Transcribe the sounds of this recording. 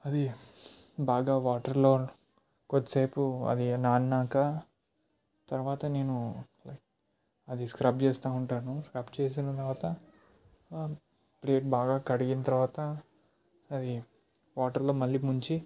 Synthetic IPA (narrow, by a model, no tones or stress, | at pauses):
ɐd̪i | baːɡaːʋaːʈɐɾloː | kot͡ʃ̪ːɐ̥sɐjpuɐ̰d̪inaːnnaːka | t̪ɐɾʋaːt̪ɐne̞ːnu | lɐjk̚ | ɐd̪iskɾɐp̚t͡ʃeːst̪aːuɳʈaːnuskɾɐpt͡ʃeːs̬inɐt̪ɐɾʋaːt̪ɐ | pleːʈ̚baːɡaːkɐɽiɡinɐt̪ɐɾʋaːt̪ɐː | d̪i | ʋaːʈɐɾloːmɐlːiːmuɲt͡ʃi